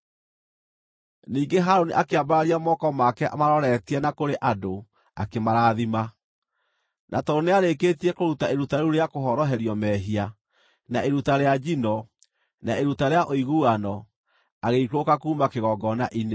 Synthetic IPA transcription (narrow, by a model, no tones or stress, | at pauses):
niːɡeɦaɾoniʔakeabaɾaɾiamɔkɔmakɛʔa̰maɾɔɾɛtiɛnakoɾeʔado | a̰kemaɾaːðima | nʔatɔɾoneaɾekeːtiɛkoɾutaeɾutaeɾuɾeakoɦɔɾɔɦɛɾiɔmɛɦia | naʔeɾutaɾead͡ʒinɔ | naeɾutaɾeaʔoiɣuanɔ | aɣeikokakuːmakeɣɔɡɔnaʔine